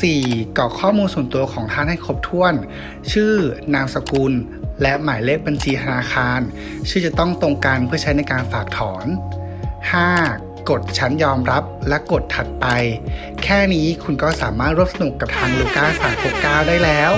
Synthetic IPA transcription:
siː˨˩kɔː˨˩kʰɔː˥˩muː˧nsu˨˩ənt̪u˧ɐkʰɔː˩˦ŋt̪ʰaː˥˩nha˥˩jkʰo˦˥p̚t̪ʰu˥˩ən | t͡ɕʰɯː˥˩aː˧msa˧ku˧n | lɛ˦˥ʔmaː˩˦jle˥˩k̚ba˧nt͡ɕʰiː˧t̪ʰa˧naː˧xaː˧n | t͡ɕʰɯː˥˩t͡ɕa˨˩t̪ɔ˥˩ŋt̪o˧ŋka˧npʰɯ˥˩t͡ɕʰa˦˥jna˧jkaː˧nfaː˨˩k̚t̪ʰɔː˩˦n | haː˥˩ | ko˨˩t̪̚t͡ɕʰa˦˥njɔː˧mɾa˦˥p̚lɛ˦˥ko˨˩t̪ʰːa˨˩t̪̚pa˧j | kʰɛː˥˩niː˦˥kʰu˧nkɔː˥˩saː˩˦maː˥˩t̪̚ɾu˥˩əp̚sa˧nu˨˩kːa˨˩p̚t̪ʰaː˧ŋluː˧kaː˥˩saː˨˩˦mkʰo˨˩kkaː˥˩wdaː˥˩jlɛː˦˥w

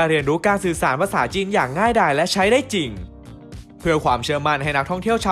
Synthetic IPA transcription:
ɾi˧ənɾuː˦˥kaː˧nsɯː˨˩saː˩˦npʰa˧saː˩˦t͡ɕiː˧njaː˨˩k̚ŋaː˥˩jdaː˧˩jlɛ˦˥ʔt͡ɕʰa˦˥jdaː˥˩jt͡ɕi˨˩ŋ | pʰɯ˧ɐkʰwaː˩˦mt͡ɕʰɤː˧ma˧nha˧˩jna˦˥k̚tʰɔ˥˩ŋt̪ʰi˥˩əwt͡ɕʰː

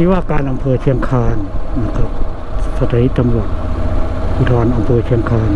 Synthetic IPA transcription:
i˦waː˥˨kaː˧nʔa˧mpʰɤː˧t͡ɕ̪ʰi˧əŋkʰaː˧nla˧˩kʰa˧˩p̚ | sa˧t̪ʰa˧hi˦˥t̪t̪ːa˧mɾu˨˩ət̪̚ | ʔu˧˩t̪ʰɔː˧nʔa˧mpʰɤː˧t̪ʰi˧əŋkʰaː˧n

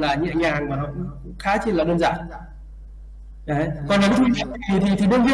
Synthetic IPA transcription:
laː˨˩ɲɨ̰˧˥əɲaː˨˩ŋmaː˨˩nɔ̰˧˨ŋ͡m | xaː˨˦t͡ɕe˧nlaː˨˩ɗəː˧nza̰ː˧˨˩n | ʔə˨˦kɔ˨˩nla˨˦˥t̪ʰi˨˩˨i˨˩t̪ʰi˨˩t̪ʰi˨˩ɗə˧nvi˧

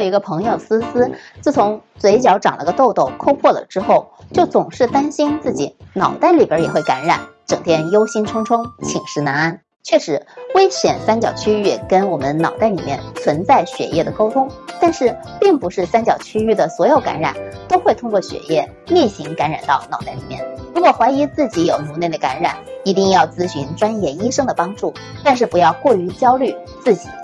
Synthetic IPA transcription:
i˧˥ɡə˧pʰɤ˧˥ŋjo˥˩sɹ̩˥sɹ̩˥t͡sɹ̩˥˩t͡sʰʊ˧˥ŋt͡swe˧˥ɪt͡ɕjɑ˧˥ʊʈ͡ʂɑ̰˨˩ŋlə̰˧˥ɡə˧t̪o˥˧ʊt̪o˥˩ʊkʰo˥ʊpʰwɔ˥˩lə̰˩ʈ͡ʂɻ̩˥xo˥˩ʊt͡ɕjo˥˩ʊt͡sʊ˨˩ŋʂɻ̩˥˩t̪a˥nɕi˥nt͡sɹ̩˥˩t͡ɕḭ˨˩˦nɑ˨˩ʊt̪a˥˩ɪli˨˩jə˞˧˥jɛ˨˩xwe˥˩ɪka˧˥nɻa̰˨˩nʈ͡ʂɤ˨˩ŋt̪ʰjɛ˥njo˥ʊɕi˥nʈ͡ʂʰʊ˥ŋʈ͡ʂʰʊ˥ŋt͡ɕʰi˨˩ŋʂɻ̩˧˥na˧˥na˥˩n | t͡ɕʰɥɛ˥˩ʂɻ̩˧˥we˥ɪɕɥɛ˨˩nsa˥nt͡ɕjɑ˨˩ʊt͡ɕʰy˥y˥˩kə˥nwɔ˨˩mə˦nnɑ˨˩ʊt̪a˥˩ɪlḭ˨˩mjɛ˥˩nt͡sʰwə˧˥nt͡sa˥˩ɪɕɥɛ̰˨˩jɛ˥˩d̪ə˩ko˥ʊt̪ʰʊ˥ŋt̪a˥˧nʂɻ̩˥˩ | pi˥˩ŋpu˧˥ʂɻ̩˥˩sa˥nt͡ɕjɑ˨˩ʊt͡ɕʰy˥y˥˩d̪ə˩swɔ˧˥jo˨˩ʊka̰˧˥nɻa̰˨˩˦nt̪o˥ʊxwe˥˩ɪt̪ʰʊ˥ŋkwɔ˥˩ɕɥɛ̰˨˩jɛ˥˩ | li˥˩ɕi˧˥ŋka˧˥nɻa˨˩nt̪ɑ˥˩ʊnɑ˨˩ʊt̪a˥˩ɪlḭ˨˩mjɛ̰˥˩nɻu˧˥kwɔ˨˩xwa˧˥ɪi˧˥t͡sɹ̩˥˩t͡ɕi˧˥jo˨˩ʊnu˧˥ne˥˩ɪd̪ə˩ka̰˧˥nɻa̰˨˩˦ni˧˥t̪i˥˧ŋjɑ˥˩ʊt͡sɹ̩˥ɕy˧˥nʈ͡ʂwa˥njɛ˥˩i˥ʂɤ˥ŋd̪ə˨pɑ˥ŋʈ͡ʂu˥˩ | t̪a˥˧nʂ̬ɻ̩˥˩pu˧˥jɑ˥˧ʊkwɔ˥˩y˧˥t͡ɕjɑ˥ʊly˥˩ | t͡sɹ̩˥˩t͡ɕi̥̰˨˩˦

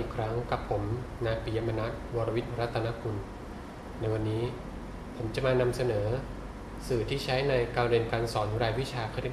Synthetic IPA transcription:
ʔiː˨˩kʰɾa˦˥ŋka˨˩pʰːo˩˦mnaː˧jpi˨˩ja˧ma˧na˦˥k̪̚wɔː˧ɾa˧wi˦˥m˧ɾa˦˥t̪ʰːa˧na˦˥kʰu˧n | na˧jwa˧nːiː˦˥ | pʰo˩˦mt͡ɕa˨˩ʔmaː˧na˧msa˧nɤː˩˦ | sɯː˨˩t̪ʰiː˥˩t͡ɕʰa˦˥jna˧jkaː˧mɾe˧nkaː˧nsɔː˩˦n˦˥ɾaː˧jwi˦˥t͡ɕʰaː˧k̪ʰi˥˩

